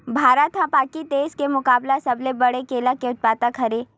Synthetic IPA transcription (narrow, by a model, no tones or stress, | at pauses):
bʱaːɾət̪ɦãpaːkit̪eːskemʊkaːblasɐblebɐɽekeːlakeʊt̪̚paːt̪əkʰɐɾeː